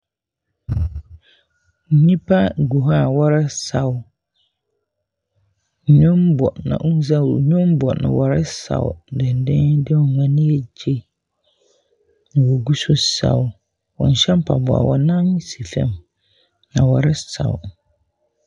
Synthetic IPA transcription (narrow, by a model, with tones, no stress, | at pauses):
ɲĩ˦pa˦ɡu˨ɦa˦˨wɔ˦ɾɛ˦sa˨w | ɲũ˦mbɔ˨nã̰˨ʔu˦n˦za˦˨ɲʊ̃˦mbɔ˨nã̰˨wɔ˨ɾɪ˦sa̰˨ʊ̰˨dɪ˨n˨dɪ̃˦ndɪ˦˨ŋã˨nĩ˦e˦d͡ʒe˦ | nã˨wɔ˨ɡu˦sʊ˦sa̰˨w | wɔ̰˨n˨ɕɛ˦mpʰa̰˨bɔ˨a̰˨wʔɔ˨nã˦n˦si˨fɛ̰˦˨m | nã˨wɔ˦ɾɪ˦sa̰˨wʊ̰˨